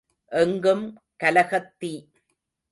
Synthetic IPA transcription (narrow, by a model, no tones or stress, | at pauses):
ʔɛŋɡɯm | kɐlɐɣɐt̪ːi